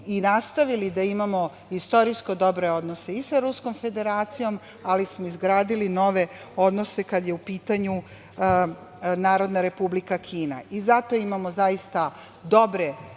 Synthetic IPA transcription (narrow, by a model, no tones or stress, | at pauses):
inast̪aʋilid̪aimamo̞ | ist̪o̞ɾisko̞d̪o̞bɾe̞o̞d̪nose̞isaɾusko̞mfe̞d̪e̞ɾaːt̪sijo̞m | alismoizɡɾaːd̪ilino̞ʋe̞o̞d̪no̞se̞kad̪je̞upiːt̪aɲu | naːɾo̞d̪naɾe̞publikakʰiːnaʔizat̪o̞imamozaist̪a | d̪o̞bɾe̞